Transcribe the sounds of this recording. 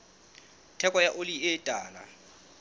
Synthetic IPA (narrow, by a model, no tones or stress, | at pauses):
tʰɛkʼwajaʔoliɪːtʼa̰ːla̰